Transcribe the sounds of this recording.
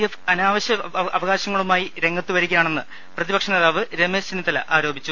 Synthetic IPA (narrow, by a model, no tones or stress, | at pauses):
jefɐnaːʋɐɕɐɐʋɐɣaːɕɐŋːɐɭumaːjiɾe̞ŋːɐt̪ːuʋɐɾikʲːijaːɳe̞nːɨ | prɐðibɐkʂɐneːðaːʋɨɾe̞meːst͡ɕenːit̪ɐlɐ̰ʔaːɾo̞ːbʱit͡ɕːu